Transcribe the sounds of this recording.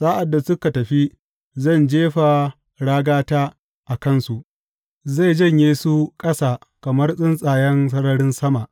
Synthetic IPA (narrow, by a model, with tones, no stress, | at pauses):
sʼaː˦ʔa˨dːa˨sʊ˦ka˨tɐ˨ɸi˦ | zɐ˦˨nd͡ʒeː˦ɸa˨ | ɽaː˦ɡaː˦taː˦ | ʔa˨kɐ˦nsu˨ʔ | za˦˨d͡ʒɐ˦˨ɲjeː˦su˦kʼɐ˦saː˨kɐ˨mɐ˦rsʼɪ˦nsʼaː˨jɛ˦nsɐ˦ɽɐ˦ɽɪ˦nsɐ˦ma˨ʔ